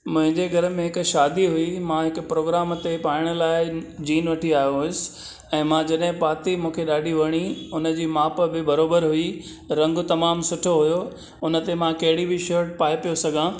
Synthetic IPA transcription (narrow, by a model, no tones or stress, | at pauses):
mʊ̃ɦɪ̃ɲd͡ʑeɡʱɐɾə̆mẽɦɪkʊʃaːd̪iɦʊimãɦɪkʊpɾoːɡɾaːmt̪epaːɪɽ̃ʊ̆laːɪd͡ʑiːnʋɐʈʰiaːɦijoɦʊɪsɪ̥̆ | ɛ̃ːmãd͡ʑɐɗɦɪ̃paːt̪imũːkʰeɗaːɖʱiʋɐɽ̃iʊnə̆d͡ʑiːmaːpbɪbɐɾoːbəɾɦʊi | ɾɐ̃ŋɡt̪ɐmaːmsʊʈʰoɦʊjo | ʊnə̆t̪emãkɐɦɪɽibʱɪʃɐːɾʈpaːepijosɐɡʱãː